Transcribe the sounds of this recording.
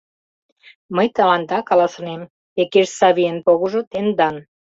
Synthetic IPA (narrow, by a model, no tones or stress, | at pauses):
məjt̪ɑlɑnd̪ɑkɑlɑsɤ̆nem | ekeʃsɑβijənpoɣoʒot̪end̪ɑn